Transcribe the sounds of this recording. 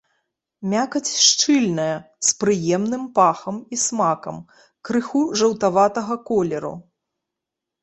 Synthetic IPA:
mʲakɐt͡sʲʂt͡ʂɨlʲnɐjɐ | spɾɨjɛmnɨmpaxɐmismakɐ̰m | kɾɨxuʐɐwt̪avat̪ɐɣɐkɔlʲɛɾṵ

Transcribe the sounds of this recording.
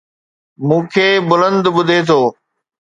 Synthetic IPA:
mũːkʰeːbʊlə̃nd̪ɓʊd̪ʱet̪ʰoː

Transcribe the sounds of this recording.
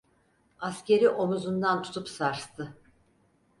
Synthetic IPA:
asce̞ɾiʔo̞muzund̪ant̪ʰu̥t̪ʰupsaɾst̪ʰɯ

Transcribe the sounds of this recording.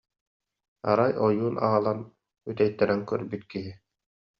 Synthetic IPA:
a̰ɾajɔjuːna̰alˠan | yt̪ɛjt̪ːɛɾɛŋkœɾbit̪kiɦi

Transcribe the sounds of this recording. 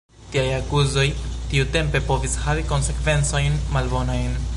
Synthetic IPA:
tiajakuzo̞jtiute̞mpe̞po̞vishaviko̞nse̞kve̞nt͡so̞jnmalbo̞najn

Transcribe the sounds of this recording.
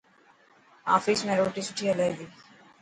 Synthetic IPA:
a̰ːfismeɾoʈisu̥ʈʰiɐlajd̪i

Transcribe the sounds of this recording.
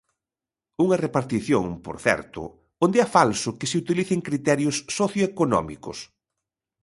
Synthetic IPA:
uŋɐrepaɾt̪iθjoŋpo̰ɾθɛ̰ɾt̪ʊ̰ | ond̪eafalsʊkɪsɪut̪iliθɪŋkɾit̪ɛɾjʊsːoθjoekonɔ̰mḭkʊ̰s

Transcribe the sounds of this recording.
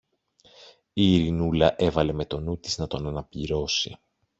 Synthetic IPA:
iːɾinulɐʔe̞vɐle̞me̞t̪o̞nut̪iznɐt̪o̞nɐnɐpʎiɾo̞sḭ

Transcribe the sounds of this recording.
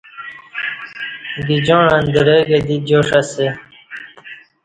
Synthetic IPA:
ɡid͡ʑõːɻand̪əɾeɡed̪id͡ʑoːʂɐse

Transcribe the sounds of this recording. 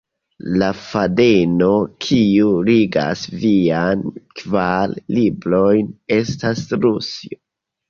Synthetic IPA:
lafadeno̞kʰiuɾiɡa̰sviankvaɾlibɾo̞jne̞stasɾusio

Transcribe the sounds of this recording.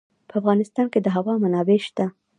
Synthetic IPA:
pəafɣɑnɪst̪ɑnked̪əɦawɑmanɑbeʃt̪a

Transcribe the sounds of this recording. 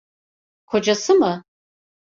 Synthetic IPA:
kʰo̞d͡ʒasɨmɯ

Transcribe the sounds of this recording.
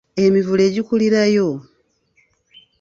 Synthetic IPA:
e̞mivule̞ːɟikuliɾajo̞

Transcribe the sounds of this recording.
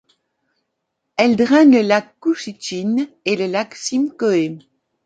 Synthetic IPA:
ɛld̪ʁɛ̃nləlakːuʃit͡ʃin | eləlaksimkɔe

